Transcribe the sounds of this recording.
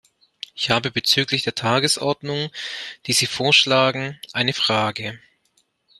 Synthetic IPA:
ʔɪçhaːbəbət͡syːklɪçd̥eːɐtʰaːɡəsʔɔɐdnʊŋd̥iːziːfoːɐʃlaːɡŋ̩ʔaɪnəfʁ̥aːɡə

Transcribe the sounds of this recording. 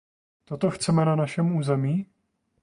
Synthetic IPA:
t̪o̞t̪o̞xt͡sɛmɛnanaʃɛmuːzɛmiː

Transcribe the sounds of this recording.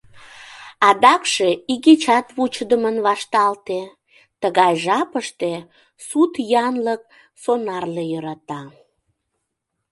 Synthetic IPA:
ɑd̪ɑkʃeiɣet͡ɕɑt̪βut͡ɕəd̪əmənβɑʃt̪ɑlt̪e | t̪əɣɑjʒɑpəʃt̪e | sut̪jɑnlək̚ | sonɑrlejøɾɑt̪ɑ

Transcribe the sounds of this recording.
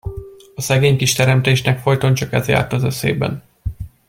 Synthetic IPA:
ɒsɛɡeːɲkiʃt̪ɛɾɛmt̪eːʃnɛkfo̞jt̪ont͡ʃɒkɛzja̰ːrt̪ɒzøsḛːbɛ̰n

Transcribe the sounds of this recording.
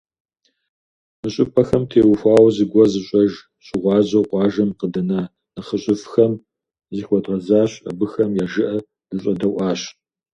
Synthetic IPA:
mɨɕʼɪpʼɐxɐmtʰeːwʊxʷɑːwzɨɡʷɔzɨɕʼɐʒ | ɕɪʁʷɑːʑɐqʷɑːʒɐmqədɨnaː | nɨχəɕʼɪfxɐm | ziːxʷɔdʁɐzaːɕɐ̰bɨxɐmjaːʒɨʔɐ | z̥ɨɕʼɐdɐwʔɑːɕ

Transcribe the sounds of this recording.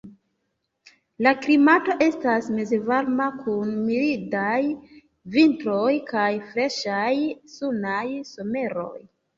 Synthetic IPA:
laklimato̞ʔe̞stasme̞ze̞vaɾmakʰunmiɾidaj | vintɾo̞jkajfɾe̞ʃajsunajso̞me̞ɾo̞̰j

